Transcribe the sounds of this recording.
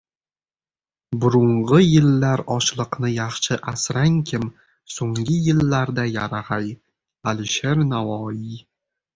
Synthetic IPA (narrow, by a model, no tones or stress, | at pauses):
bʊɾʊɴʁɨjɪlːaɾɒʃlˠɨqnɪjɑχʃɪʔasɾaŋkʲʰɪm | soŋɡʲɪjɪlːaɾd̪ajaɾaʁaj | alɪʃeɾnavɒːji